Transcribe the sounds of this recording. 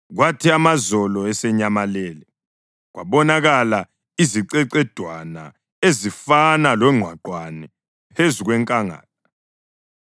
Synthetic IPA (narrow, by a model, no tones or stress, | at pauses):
ɣwatʰiamazɔlɔɛsɛɲamaleːli | ɣwa̰βɔnaɣala | iziǀɛǀɛd̥ʱwana | ezifanalwɛŋ͡ǃʱwaǃwanɛ | pʰezuɣwɛŋkʼaŋa̰ːla